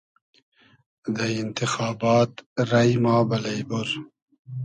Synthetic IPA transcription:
d̪ɐjint̪ixaːbaːt̪ɾɐjmaːbɐlɐjboɾ

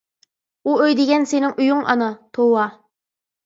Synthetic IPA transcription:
uøjd̪ɪɡʲɛnsenɪŋʔyjuŋʔɑ̰nɑt̪ʰowɑ

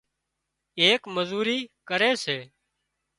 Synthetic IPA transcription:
eːkməzuːɾiːkəɾeːseː

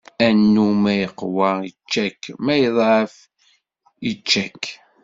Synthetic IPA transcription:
ænːumæjəqːwɑit͡ʃːækmæjəðˤʕəf | it͡ʃːækː

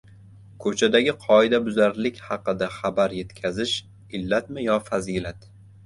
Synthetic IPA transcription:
kʰɵt͡ʃʰad̪aɡʲɪqʰɒɪd̪abʊzaɾlɪkʲhɑqɨd̪aχabaɾje̞t̪kʲʰazɪʃ | ɪlːat̪mɪjɒfazilat̪

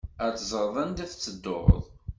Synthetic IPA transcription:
æt͡sːzˤəɾˤðˤænd̪æθt͡sːəd̪ːo̰ɾ̰ðˤ

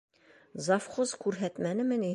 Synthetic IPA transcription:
zɑfqozkʉɾɦæt̪mænɘmɘni

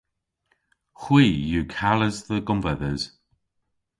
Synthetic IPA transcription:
xwiːjuːkʰaləzðəɡʊmvɛðəz̥

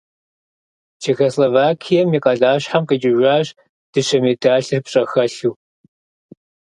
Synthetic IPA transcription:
t͡ʃʰeːxoslovaːkʰijɛmiqʼɐɮaːɕħamqʼɐd͡ʒɪʒʷaːɕ | d̥ɨɕɐmidʰaːɬɨrpɕʼɐxɐɬuː

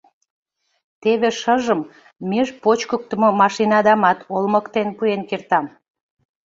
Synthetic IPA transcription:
t̪eβeʃəʒəmː | eʒpot͡ɕkək̚t̪ə̆mŏmɑʃinɑd̪ɑmɑt̪ʰolmə̆kt̪enpuenkert̪ɑm

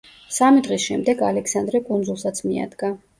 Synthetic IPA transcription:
samid̪ʁisʃɛmd̪ɛɡalɛksand̪ɾɛkʼund̪zulˠsat̪sʰmia̰d̪ɡa

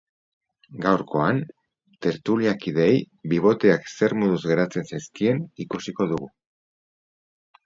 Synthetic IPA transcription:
ɡawɾko̞an | t̪e̞ɾt̪uliakið̞ej | biβ̞o̞t̪eakse̞ɾmuðuzɣe̞ɾat͡se̞nsajskie̞nikusiko̞ðuɣu

